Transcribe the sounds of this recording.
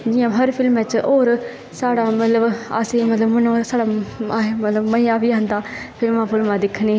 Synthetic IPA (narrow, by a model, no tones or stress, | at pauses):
d͡ʒiːãːɦəɾpʰɪlmɛt͡ʃoːɾ | saːɽaːmət̪ləba̰seːmət̪ləbmənoːsaːɽaːemət̪ləbməiːãːbiːãnd̪aːpʰɪlmãːpʰɪlmãːd̪ɪkʰːneː